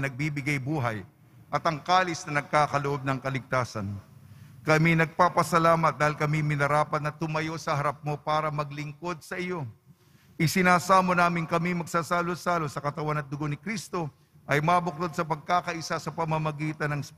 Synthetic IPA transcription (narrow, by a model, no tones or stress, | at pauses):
nɐɡ̚biːbɪɡɐjbuːɦɐj | ʔɐt̪ɐŋkaːlɪsnɐnɐɡ̚kaːkɐloʔo̞b̚nɐŋkɐlɪɡ̚t̪aːsɐn | kɐminɐɡ̚paːpɐsɐlaːmɐt̪̚d̪aːhɪlkɐmimɪnɐɾaːpɐt̪̚nɐt̪ʊmɐjo̞sɐɦɐɾɐp̚mo̞paːɾɐmɐɡ̚lɪŋko̞d̪̚sɐʔɪjo̞ | ʔɪsɪnaːsaːmonaːmɪŋkɐmimɐɡ̚saːsaːlosaːlosɐkɐt̪ɐwanɐt̪̚d̪ʊɡo̞nɪkɾist̪o̞ | ʔɐjmaːbʊk̚t̪od̪̚sɐpɐɡ̚kaːkɐʔɪsasɐpɐmɐmɐɡiːt̪ɐnɐŋs